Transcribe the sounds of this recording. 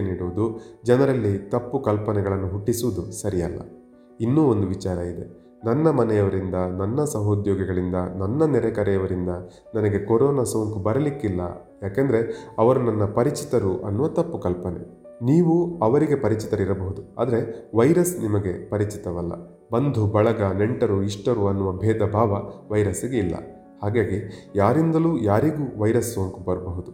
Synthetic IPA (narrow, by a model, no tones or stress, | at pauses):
niːɽuʋud̪ud͡ʒɐnɐɾɐlːit̪ɐpːukɐlpɐnɛɡɐɭɐnːuɦuʈːisuʋud̪usɐɾijɐ̰lːɐ̰ | inːuːo̞nd̪uʋit͡ʃaːɾɐid̪e̞̰ | nɐnːɐmɐnɛjɐʋɐɾind̪ɐnɐnːɐsɐɦoːd̪jɔːɡɐɡɐɭind̪ɐnɐnːɐnɛɾɛkɐɾɛjɐʋɐɾind̪ɐ | nɐnɐɡe̞koɾɔːnaːsoːŋkubɐɾɐlikːilːɐ̰ | jaːkend̪ɐɾe̞ɐʋɐɾunɐnːɐpɐɾit͡ʃit̪ɐɾuʔɐnːuʋɐt̪ɐpːukɐlpɐnḛ | niːʋuɐʋɐɾiɡe̞pɐɾit͡ʃit̪ɐɾiɾɐbɐɦud̪ua̰ːd̪ɐɾe̞ʋɐjɾɐsnimɐɡe̞pɐɾit͡ʃit̪ɐʋɐlːɐ̰ | bɐnd̪ʱubɐɭɐɡɐneɳʈɐɾuiʂʈɐɾuɐnːuʋɐbʱɛːd̪ɐbʱaːʋɐʋɐjɾɐsiɡe̞ilːɐ̰ | haːɡaːɡijaːɾind̪ɐluːjaːɾiɡuːʋɐjɾɐsːoːŋkubɐɾɐbɐɦud̪u